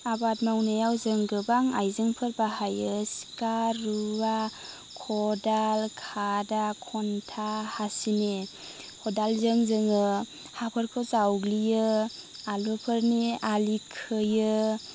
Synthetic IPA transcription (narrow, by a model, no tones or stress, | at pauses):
abatmawnajawzɯŋɡɯbaŋa̰jzɯŋpʰɯɾbaɦajɯsi̥kaɾːuwa | kʰɔdalkʰadakʰɔntʰahasine | hʰɔdalzɯŋzɯŋɯ | hapʰɯɾkʰɯwzawɡlijɯ | alupʰɯɾnialikʰɯjɯ